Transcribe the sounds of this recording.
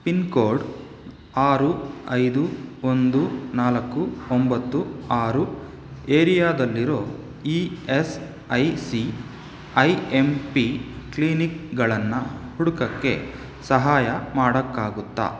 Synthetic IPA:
pinkoːɾɖ | aːɾuɐjd̪uond̪unaːlɐkːuombɐt̪ːuaːɾu | eːɾijaːd̪ɐlːiɾoː | ies | ɐjsi | ɐjempikliːnikɡɐɭɐnːɐhuɽukɐkːe̞̰ | sɐɦaːjɐmaːɽɐkːaːɡut̪ːa̰ː

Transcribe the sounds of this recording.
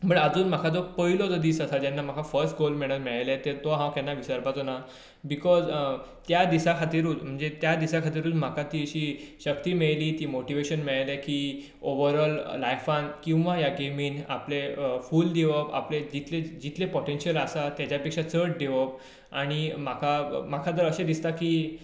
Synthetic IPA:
bəʈəd͡zuːnm̤akʰad͡zɔpəilod͡zɔd̪iːsəsad͡ʑanːam̤akʰafəɾsʈɡolmɛɽəlmeɭalet̪eɾt̪ɔɦãwkɛ̃nːaʋisaɾpat͡s̪ona | bikɔz | t̪jad̪isakʰat̪iːɾud͡zm̤əɳd͡zet̪jad̪isakʰat̪iːɾuːnm̤akʰat̪iːəɕiːɕək̚t̪iːmeɭliːt̪iːmoʈiʋeɕənmeɭaleki | oʋəɾɔlːajfankĩw̃ʋajaɡemiːna̰plefuːlɖeʋəpa̰pled͡ʑit̪ʰled͡ʑit̪ʰlepɔʈenɕijəlasat̪jat͡ɕjapekʂat͡səʈ̚ɖeʋəp | aɽ̃im̤akʰamakʰad̪̬əɾəɕẽd̪ist̪akiː

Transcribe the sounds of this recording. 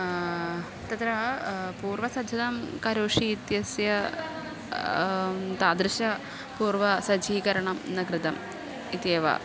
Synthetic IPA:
t̪ɐt̪ɾɐpuːrʋɐsɐd̪ʱjɐðɐmkɐɾuːʂiːt̪jɐsjɐ | t̪aːd̪ɾɨɕɐ | puːrʋɐsɐd͡ʑʱiːkɐɾɐɳɐmenːɐkrɨd̪ɐm | it̪jeːʋɐ̰

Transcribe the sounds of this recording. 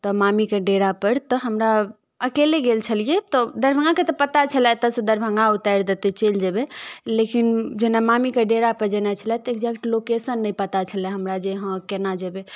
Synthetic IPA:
t̪ɔmamikeɖeɾapəɾt̪ɔɦəmɾa | əkeleɡelt͡ʃʰəlijet̪ɔd̪əɾbʱə̃ŋɡaket̪ɔpət̪at͡ʃʰəlɛt̪əsə̃d̪əɾbʱəŋɡaut̪aɾd̪et̪et͡ʃeld͡ʒebelekind͡ʒenamamikeɖeɾapəɾd͡ʒenat͡ʃʰəlɛt̪ɔek̚d͡ʒɛkʈlokesənːəipət̪at͡ʃʰəlɛɦəmɾad͡ʒeɦə̃kenad͡ʒebe

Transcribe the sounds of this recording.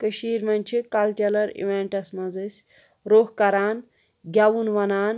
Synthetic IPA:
kəʃiːɾmɐnʲt͡ʃʰikɐlt̪ʲɐlɐɾḭʋeɳʈɐsmɐzɨsʲ | ɾoɦkɐɾaːn | ɡʲaʋunʋɐnaːn

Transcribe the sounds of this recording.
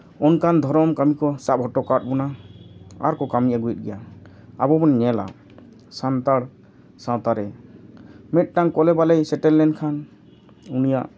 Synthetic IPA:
ɔnkʰand̪ʱɔɾɔmkamikɔsaʔp̚ɦɔʈɔkat̚bɔna | a̰ɾkɔkamiaɡujt̪̚ˀɡɛja̰ | a̰bɔbɔnɛɲɛla̰ | sant̪aɽ | sãwt̪aɾɛ | mɛt̪̚ˀʈaŋkɔlɛbalɛjsɛʈɛlːɛnkʰan | unijaʔ

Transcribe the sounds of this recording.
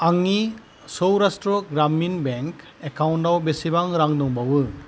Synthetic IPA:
aŋːi | sɔwɾastɾɔɡɾaminbeŋk | ekawntawbesibaŋɾaŋdɔŋbawɯ

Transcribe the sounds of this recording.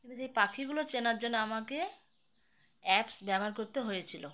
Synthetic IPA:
kint̪uʃejpakʰiɡulot͡ɕenaɾd͡ʑonːoamake | ɛpsbɛboɦaɾkoɾt̪eɦojet͡ɕʰilo

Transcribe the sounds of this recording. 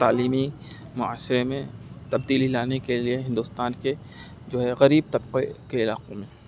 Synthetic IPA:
t̪aːliːmi | mʊa̰ːʃɪɾemẽt̪ɐbd̪iːlilaːnekelieɦɪ̃nd̪uːst̪aːnke | d͡ʒoːɦɛɣɐɾiːb̚t̪ɐbqekeɪlaːqõmẽ

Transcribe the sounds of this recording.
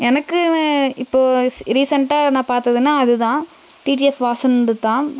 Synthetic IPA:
ɛnɐkːɯɪpːoːɾiːsɐɳʈaːnãːpaːɾt̪ɐðɯnːaːɐðɯt̪ãː | ʈiːʈiɛfʋaːsɐnd̪ɯt̪ːãː

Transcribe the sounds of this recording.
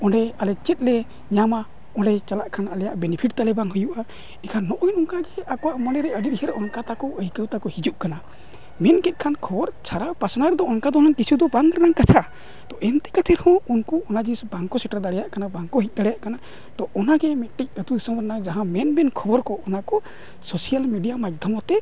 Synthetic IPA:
ɔ̃ɳɖɛalɛt͡ʃɛt̪̚lɛ | ɲama | ɔ̃ɳɖɛt͡ʃalaʔkʰanalɛjaʔbɛnipʰiʈt̪alɛbaŋɦɔjuʔa | ɛkʰanːɔʔɔjnɔŋkaɡɛakɔwaʔmɔnɛɾɛʔəɖit̪həɾɔnkat̪akɔəjkəwt̪akɔhid͡ʒuʔkana | mɛnkɛt̪̚ˀkʰankʰɔbɔɾt͡ʃʰaɾaʔpasnaɾd̪ɔɔnkad̪ɔnankisʰud̪ɔbaŋɾɛnaŋkat͡ʃʰa | t̪ɔʔɛmt̪ɛ̥kat̪ʰɛɾhɔ̃unkɔɔnad͡ʒinisbaŋkɔsɛʈad̪aɽɛjaʔkanabaŋkɔɦic̚ˀd̪aɽɛjaʔkana | t̪ɔʔɔnaɡɛmɛt̪̚ˀʈic̚ˀət̪ud̪isəmɾnad͡ʒaɦãmɛnmɛnkʰɔbɔɾkɔɔnakɔ | sɔsialmiɖijamad͡ʒd̪ʱɔmɔt̪ɛ

